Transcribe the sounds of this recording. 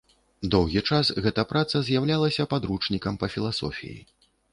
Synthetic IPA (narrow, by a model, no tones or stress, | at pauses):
d̪ɔwɣʲit͡ʂasɣɛt̪ɐpɾat̪sɐzʲjawlʲalˠɐsʲɐpad̪ɾut͡ʂnʲikɐmpɐfʲilˠasɔ̰fʲḭjḭ